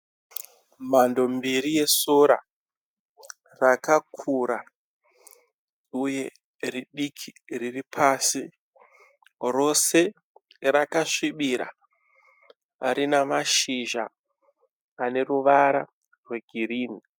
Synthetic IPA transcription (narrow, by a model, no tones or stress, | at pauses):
mando̞mbiɾije̞soɾa̰ | rakakʰuɾa | uje̞ | riɗikʰiriripʰaːsi | ro̞se̞ | rakaʂiɓiɾa̰ | ɾinamaʃiʒa | ne̞ruʋaɾa | rwe̞ɡʱiɾiːni